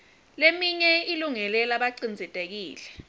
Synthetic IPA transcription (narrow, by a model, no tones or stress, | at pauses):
lemiɲɛiluŋɛlɛlaɓaǀind͡zʱɛtʼek̬iːlɛ